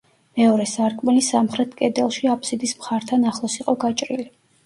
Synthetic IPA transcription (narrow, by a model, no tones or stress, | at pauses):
mɛɔɾɛsaɾkʼmɛlisamχɾɛt̪ʰkʼɛd̪ɛlˠʃiapʰsid̪ismχaɾt̪ʰanaχlˠɔsiqʼɔɡat͡ʃʼɾili